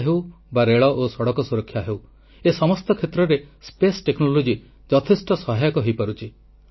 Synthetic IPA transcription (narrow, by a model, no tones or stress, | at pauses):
ɦew | baɾeɭɔʔosɔɽɔkɔsuɾɔkʰːjaɦew | esɔmɔst̪ɔkʰet̪ɾɔɾespesʈeknolod͡ʒi | d͡ʒɔt̪ʰesʈɔsɔɦajɔkɔɦejpɔɾut͡ʃʰi